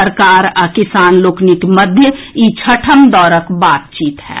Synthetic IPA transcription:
əɾkaːɾakɪsaːnloːknikməd̪ʱjəit͡ʃʰəʈʰəmd̪ɔːɾəkbaːt̪̚t͡ʃiːt̪ɦɛ̰ː

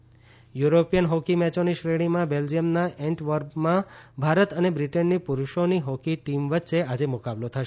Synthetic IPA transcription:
juɾopijənɦokimɛt͡ʃoniʃɾeɽ̃imãbeld͡ʒijəmnaʔɛɳʈʋəɾbmãbʱaɾət̪ənebɾiʈənːipuɾuʃoniɦokiʈimʋətːʃead͡ʒemʊkablot̪ʰəʃ

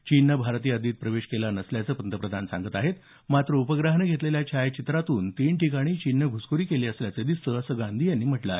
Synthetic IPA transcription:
t͡ɕinːəbʱaɾt̪iːəd̪iːt̪̚pɾəʋeɕkelanəsljat͡səːpənt̪əpɾəd̪ʱansa̰ŋɡət̪aɦet̪ | mat̪ɾəupəɡɾaɦnəɡʱet̪leljat͡ɕʰajt͡ɕit̪ɾat̪uːnt̪iɳʈikaɽ̃iːt͡ɕinːəɡʱuskuɾiːkeliːəsljat͡sed̪ist̪əəsəɡãnd̪ʱiːjanːiːm̤əʈlae

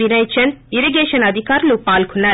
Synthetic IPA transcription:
inɐjt͡ʃʰɐniɾeɡeʃɐnɐd̪ʱikaːɾlupaːlkʰunːɐ

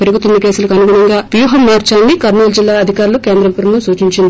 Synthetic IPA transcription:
peɾuɡut̪unːɐkeːsulɐkɐnuɡuːɳɐŋɡaːbjuːɦɐmːaːɾt͡ʃaːnːikɐɾnoːld͡ʒilːaːɐd̪ʱikaːɾulukeːnd̪ɾɐmpɐɾnusuːt͡ʃiɲt͡ʃind̪i

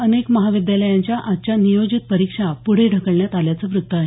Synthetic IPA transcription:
ənekməɦaʋid̪jaləjaɲt͡ɕjaʔat̪t͡ɕjanijod͡ʑit̪̚pəɾikʂapuɽ̤eɖʱəkəɭɳjat̪aljat͡səʋɾut̪ːəaɦe

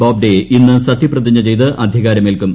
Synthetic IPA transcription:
aːb̚ɖeʔinːɨsɐt̪ːiprɐd̪iɲːɐt͡ɕejt̪ɨʔɐd̪ʱiɣaːɾɐmelkum

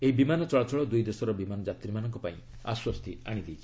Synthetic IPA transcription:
eibimanɔt͡ʃɔɭɔt͡ʃɔɭɔd̪ujd̪esɔɾɔbimanɔd͡ʒat̪ɾimanɔŋkɔpaĩa̰swɔst̪ʰiaɽ̃id̪ejt͡ʃʰi̥

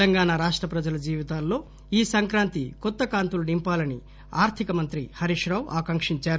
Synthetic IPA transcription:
ɐŋɡaːnaɾaːʂʈɾɐpɾɐd͡ʒɐlɐd͡ʒiːʋit̪aːlːo̞ː | iːsɐŋkɾaːnt̪ikɔt̪ːɐkaːnt̪ulɐnimpaːlɐni | aːɾt̪ʰikɐmɐnt̪ɾihɐɾiʂɾaːwʔaːkɐŋkʂiɲt͡ʃaːɾu

